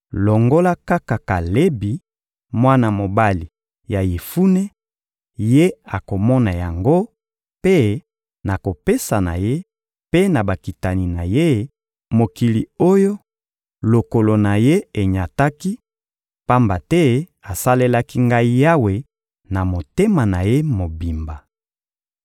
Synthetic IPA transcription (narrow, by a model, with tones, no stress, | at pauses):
lɔ˨ŋɡo˦la˦ka˦ka˨ka˨le˦bi˨ | mwa˦na˨mo˨ba˦li˨ | ja˨je˨fu˦ne˦ | je˦a˨ko˨mɔ˦na˨ja˨ŋɡo˦ | pe˦ | na˨ko˨pe˦sa˨na̰˨je˦ | pe˦na˨ba˨ki˨ta˨ni˨na˨je˦˨ | mo˨ki˨li˨o˦jo˦ | lo˨ko˨lo˨na˨je˦e˨ɲa˨ta˦ki˦ | pa˦mba˨tɛ˦a˨sa˦le˦la˦ki˦ŋɡa˦i˦ja˦we˨ | na˨mo˨te˦ma˨na˨je˦mo˨bi˨mba˨